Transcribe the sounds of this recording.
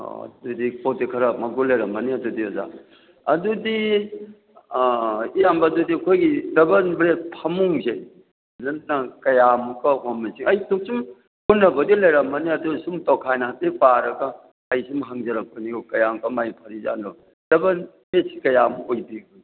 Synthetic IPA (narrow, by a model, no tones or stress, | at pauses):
ɐ̰dudipotekʰɐɾamɐɡulɐjɾɐmɐniɐdudioza̰ | ɐdudi | ijambɐdudikʰojɡidɐbɐnbɾepʰɐmuŋze | zɐnnakɐjamukɐhomisiŋɐjsʰuksum | unːɐbɐɡilɐjɾɐmːɐniɐdusumtɔkʰajnaɦatipaɾɐɡɐː | jsumɦaŋzɐɾɐk̚pɐniɡɔkɐjamkamajpʰɐɾiza̰nɾɔ | d̥ɐbɐnbesi̥kɐjamojbiɡu